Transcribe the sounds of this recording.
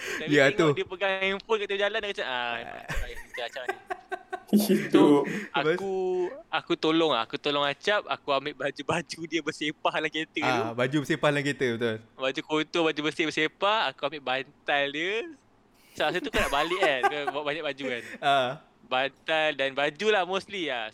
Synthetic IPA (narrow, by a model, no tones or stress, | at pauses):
tajəat̪udiəpəɡaŋamfonkat̪əd͡ʒalandakat͡ʃaʔa̰aait̪əat͡ʃap̚a | isoauakut̪olɔŋaa̰kut̪olɔŋat͡ʃap̚a̰kuambɪʔbad͡ʒubad͡ʒudiəbəsepahlaket̪əaubad͡ʒubəsepahlaŋket̪əbət̪ʊlbad͡ʒukot̪obad͡ʒubəsɪhbəsepahakuambɪʔbant̪aldiə | salas̬ət̪ukənaʔbalɪʔakəbaʔbaɲak̚bad͡ʒukana | bant̪aldanbad͡ʒulahmoslia